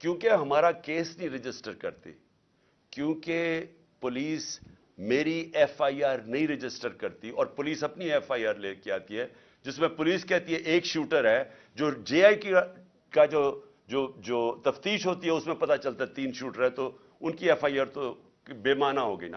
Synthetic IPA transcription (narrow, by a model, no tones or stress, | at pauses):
kjõːkeɦɐmaːɾakeːsnɐɦĩɾɪd͡ʒɪsʈəɾkɐɾt̪ḛ | kjõːke | pʊliːs | meːɾiɛːfaːiaːɾnɐɦĩɾɪd͡ʒɪsʈəɾkɐɾt̪iɔːɾpʊliːsɐpniɛːfaːiaːɾleːkiaːt̪iɦɛː | d͡ʒɪsmẽpʊliːskɛɦt̪iɦɛʔeːkʃuːʈəɾɦɛː | d͡ʒoːd͡ʒeːaːik | kad͡ʒoː | d͡ʒoːd͡ʒoːt̪ɐft̪iːʃɦoːt̪iɦɛʊsmẽpɐt̪at͡ʃɐlt̪aɛt̪iːnʃuːʈəɾɦɛ̃t̪o | ʊnkiɛːfaːiaːɾt̪o | beːmaːnaɦoːɡɐina̰ː